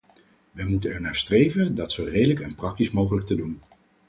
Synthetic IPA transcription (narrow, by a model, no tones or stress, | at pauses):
ʋəmutənɛɹnaːɹstrejvəndɑtsowrejdələkɛnprɑk̚tismowχələk̚tədun